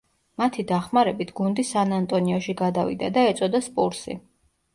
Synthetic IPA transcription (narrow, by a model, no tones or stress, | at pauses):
mat̪ʰid̪aχmaɾɛbit̪ʰɡund̪isanant̪ʼɔniɔʃiɡad̪avḭd̪a̰d̪aɛt̪sʼɔd̪aspʼuɾsḭ